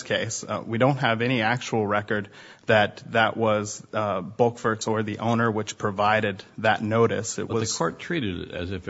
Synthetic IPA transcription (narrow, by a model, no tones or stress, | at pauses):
skʰeɪswidõʊ̃nt̚ɦəvɛñiæk̚t͡ʃul̩ˠɹɛkə˞d̪̚ðɨt̪̚ðəʔwʔʌzbʌlˠkfə˞tsə˞ðiʔõʊ̃nə˞wɨt͡ʃpʰɹ̥ɨvaɪɾɨd̪̚ðɨtⁿnoʊɾɨ̰sɨ̰ʔ̚wwʌɨz̥kʰɔɹtʰɹ̥iɾɨɾɪ̰ɾɨ̰zɨf